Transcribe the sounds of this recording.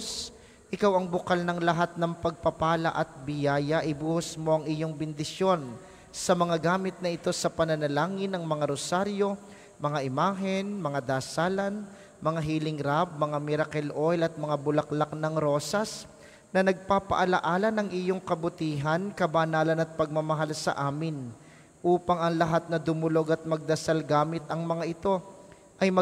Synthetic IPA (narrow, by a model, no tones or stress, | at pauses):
s | ʔɪkawɐŋbʊkalnɐŋlɐɦat̪̚nɐŋpɐɡ̚pɐpaːlɐ̰ʔɐt̪̚bɪjaːjɐʔɪbuːhʊsmo̞ʔɐŋɪjo̞ŋbɪnd̪ɪsjo̞n | sɐmɐŋaɡaːmɪt̪̚nɐʔɪt̪o̞sɐpɐnɐnɐlaːŋɪnɐŋmɐŋaɾosaɾjo̞ | mɐŋaʔɪmaːɦɛnmɐŋad̪aːsaːlɐn | mɐŋaɦiːlɪŋɾab̚mɐŋamɪɾɐkɛlʔojlɐt̪̚mɐŋabʊlɐklaknɐŋɾo̞ːsɐs | nɐnɐɡ̚papɐ̰ʔɐlɐʔaːlɐnɐŋʔɪjoŋkɐbʊt̪iːɦɐnkɐbanaːlɐnɐt̪̚pɐɡ̚mɐmɐɦalsɐ̰ʔaːmɪn | ʔuːpɐŋɐŋlɐɦat̪̚nɐd̪ʊmʊlo̞ɡɐt̪̚mɐɡ̚d̪ɐsalɡaːmɪt̪ɐŋmɐŋaʔɪt̪o̞ | ʔɐjmɐ